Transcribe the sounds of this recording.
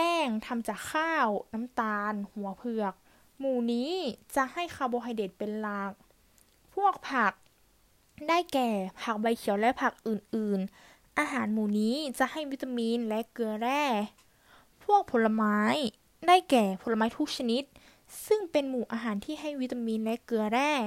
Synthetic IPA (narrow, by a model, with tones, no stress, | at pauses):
ɛː˥˩ŋt̪ʰa˧mt͡ɕaː˨˩kʰːaː˥˩wna˦˥mt̪aː˧nhu˩˦ɐpʰɯ˧˩ək̚ | muː˨˩niː˦˥t͡ɕa˧˩ʔha˥˩jkʰaː˧˩wbɔː˧ɦa˧˩jdeː˨˩t̪̚pe˧nla˧˩k̚ | pʰu˥˩ək̚pʰa˧˩k̚ | daː˥˩jkɛː˨˩pʰa˧˩k̚ba˧jkʰi˨˩˦əwlɛ˦˥ʔpʰa˧˩k̚ʔɯː˨˩nʔɯː˨˩n | ʔaː˧ɦaː˨˩˦nmuː˨˩niː˦˥t͡ɕa˨˧˦ʔha˥˩jwi˦˥t̪ːa˧miː˧nlɛ˦˥ʔkɯ˧ɐɾɛː˥˩ | pʰu˥˩ək̚pʰo˨˦nla˧maː˦˥j | daː˥˩jkɛː˨˩pʰo˨˦la˧maː˦˥jt̪ʰu˦˥k̚sʰa˧ni˦˥t̪̚ | sɯ˥˩ŋpe˧nmuː˨˩ʔaː˧ɦaː˩˦nt̪ʰiː˥˩ɦa˥˩jwi˦˥t̪ːa˧miː˧nlɛ˦˥kɯ˧ɐɾɛː˥˩